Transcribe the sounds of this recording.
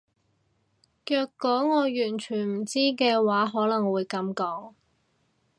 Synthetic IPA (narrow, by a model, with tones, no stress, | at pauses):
kœː˧kːɔː˨˥ŋɔː˨˧jyː˨˩nt͡ʃʰyː˨˩nm̩˨˩t͡siː˥kɛː˧waː˨˥ɦɔː˨˥lɐ˨˩ŋwuː˨˧jkɐ˨˥mkɔː˨˦˥ŋ